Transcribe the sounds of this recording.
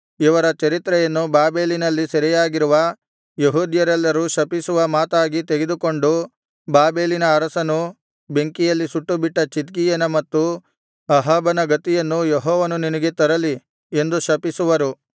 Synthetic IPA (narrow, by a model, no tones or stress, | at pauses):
iʋɐɾɐt͡ʃɐɾit̪ɾɛjɐnːubaːbe̞ːlinɐlːisɐɾijaːɡiɾuʋɐ | jeɦuːd̪jɐɾɛlːɐɾuʃɐpisuʋɐmaːt̪aːɡit̪e̞ɡed̪uko̞ɳɖu | baːbe̞ːlinɐːɾɐsɐnu | be̞ŋkijɐlːisuʈːubiʈːɐt͡ʃit̪ɡijɐnɐmɐt̪ːu | ɐɦaːbɐnɐɡɐt̪ijɐnːujeɦɔːʋɐnuninɐɡe̞t̪ɐɾɐli | e̞nd̪uʃɐpisuʋɐɾu